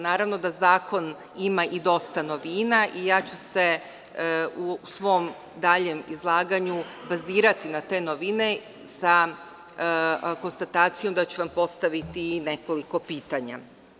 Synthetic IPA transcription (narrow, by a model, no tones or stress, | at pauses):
naːɾaʋno̞d̪azaːko̞n | imaʔid̪o̞st̪ano̞ʋinaʔijaːt͡ɕuse̞ | usʋo̞m | d̪aʎemizlˠaːɡaɲu | baziːɾat̪inat̪e̞ːnoʋine̞ | sa | ko̞nst̪at̪aːt̪sijo̞md̪at͡ɕuʋampo̞st̪aʋit̪ine̞ko̞liko̞piːt̪aɲa̰